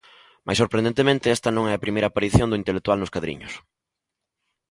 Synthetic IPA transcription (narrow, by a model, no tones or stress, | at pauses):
ma̰jsoɾpɾend̪ent̪emẽnt̪ɪɛst̪ɐnõŋɛɐpɾimejɾapaɾiθjõnd̪ʊint̪elek̚t̪ualnʊskaðɾḭɲʊ̰s